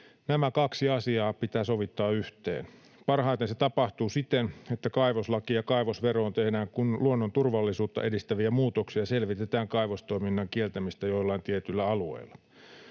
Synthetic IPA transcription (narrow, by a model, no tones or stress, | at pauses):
næmækɑksiɑsiɑːpit̪æːso̞ʋit̪ːɑːyht̪ḛːn | pɑrɦɑˑjt̪enset̪ɑpɑht̪uːsit̪enet̪ːækɑiʋoslɑkijɑkɑjʋosʋeroːnt̪ehnæːŋkunluonːont̪urʋɑlːisuːt̪ːɑ̰ʔe̞dist̪æʋiæmuːt̪oksiɑse̞lʋit̪et̪æːŋkɑiʋost̪o̞jminːɑŋkielt̪æmist̪æjolːɑint̪iet̪ylːæɑluḛilːɑ